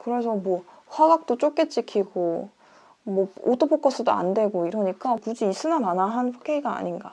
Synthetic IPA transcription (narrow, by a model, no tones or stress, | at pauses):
kɯɾe̞sʰʌmwʌ | ɸwaɡak̚t͈ot͡ɕ͈ok͈et͡ɕ͈ikʰiɡo | mwʌot͈opʰok͈ʌs͈ʰɯdoa̰ndwe̞ɡoiɾʌɲik͈apud͡ʑiːs͈ɯnamanaɦanɸʰo̥kʰeiɡa̰ːɲinɡa̰